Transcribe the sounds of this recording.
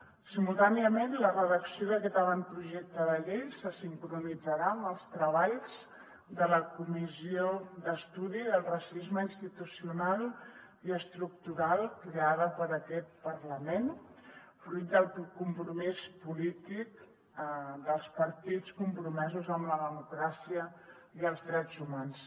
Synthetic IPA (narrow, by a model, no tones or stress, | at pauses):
simulˠt̪aniəmenlərəðəksioðəkɛt̪əβant̪̚pɾuʒek̚t̪əðəʎejsəsiŋkɾunid͡zəɾaəməlˠst̪ɾəβaʎz̥ | d̪ələkumizioðəst̪uðiðəlˠrəsizməinst̪it̪usiunalˠ | iəst̪ɾuk̚t̪uɾalˠkɾeaðəpəɾəkɛt̪̚pəɾləmen | fɾujt̪̚d̪əlˠkumpɾumispulit̪ik | ðəlˠspəɾt̪it͡skumpɾumɛzuzəmləðəmukɾasiə | iəlˠzðɾɛd͡zumans